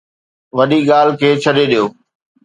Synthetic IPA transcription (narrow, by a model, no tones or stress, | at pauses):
ʋɐɗiɠaːlkʰeːt͡ɕʰɐɗeɗijoː